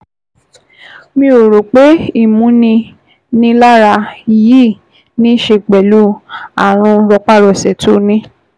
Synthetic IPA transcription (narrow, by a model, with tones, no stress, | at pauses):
mĩ˧˦o˨ɾo˨k͡pe˨˦i˦˨mũ˨˦nĩ˧ | nĩ˧˦la˦ɾa˧ji˦˨ | nĩ˦ʃe˧k͡pɛ˨lu˨˦a˨ɾ̃ũ˧ɾɔ˧k͡pa˦ɾɔ˨sɛ˨to˦nĩ˦